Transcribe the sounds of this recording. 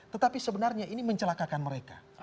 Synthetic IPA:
t̪ət̪apisəbənarɲainiməɲt͡ʃəlakakanməɾeka̰

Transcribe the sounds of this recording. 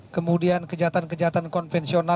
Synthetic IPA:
kəmudiankəd͡ʒat̪ankəd͡ʒat̪ankɔnfɛnsiona

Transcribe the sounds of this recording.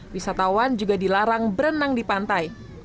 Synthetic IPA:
wisat̪awand͡ʒuɡadilaɾaŋbəɾənaŋdipant̪aj

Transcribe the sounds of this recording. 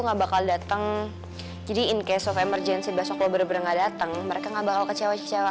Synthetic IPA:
uŋabakaldat̪əŋ | d͡ʒadiɪnkajasɔfemərd͡ʒɛnsibasɔklɔbərbərŋɡadat̪əŋməɾekaŋabakalkət͡ʃawat͡ʃt͡ʃawa

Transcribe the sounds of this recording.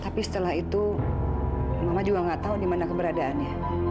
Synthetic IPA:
t̪apisə̥t̪əlaɦit̪u | mamad͡ʒuaŋɡaʔt̪audimanakəbəɾadaanɲa

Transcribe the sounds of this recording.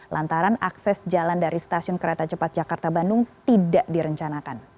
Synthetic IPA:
lʔant̪aɾanaksɛsd͡ʒalandaɾist̪asiʊnkəɾet̪at͡ʃəpat̪̚d͡ʒakart̪abandʊŋt̪idaʔdiɾəɲt͡ʃanakan

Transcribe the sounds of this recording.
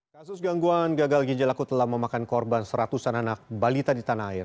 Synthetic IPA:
kasʊsɡaŋɡuanɡaɡalɡiɲd͡ʒalakut̪əlahməmakankɔrbansəɾat̪usananak̚balit̪adit̪anaaɪr

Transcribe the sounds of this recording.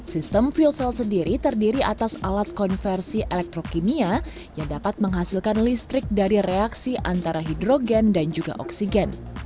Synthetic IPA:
sist̪əmfiulsɛlsəndiɾit̪ərdiɾiʔat̪asalat̪̚kɔnfɛrsiʔɛlɛk̚t̪ɾokinia | jaŋdapat̪̚məŋɦasilkanlist̪ɾɪk̚daɾireaksiʔant̪aɾaɦidɾoɡɛndand͡ʒuɡa̰ʔɔ̰ksiɡɛn

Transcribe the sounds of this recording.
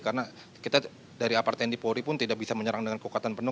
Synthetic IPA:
kaɾəna | kit̪a | daɾiapart̪ɛndipoɾipʊnt̪idabisaməɲəɾaŋdəŋankukat̪anpənʊ

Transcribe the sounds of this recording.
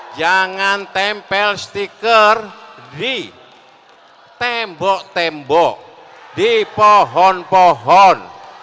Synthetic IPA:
d͡ʒaŋant̪ɛmpɛlst̪ikərdi | t̪ɛmbɔʔt̪ɛmbɔʔ | d̪̥ipɔɦɔnpɔɦɔn

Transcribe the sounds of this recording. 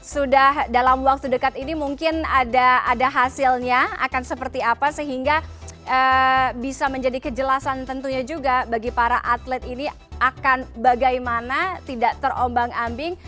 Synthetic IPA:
sudahdalamwak̚t̪udəkat̪inimuŋkɪnadaːdaɦasɪlɲaa̰kansəpərt̪iapasəɦiŋɡaʔəbisaməɲd͡ʒadikəd͡ʒəlasant̪ənt̪uɲad͡ʒuɡabaɡipaɾaʔat̪lɛt̪ini | akanbaɡajmanat̪idaʔt̪ərʔombaŋambɪŋ

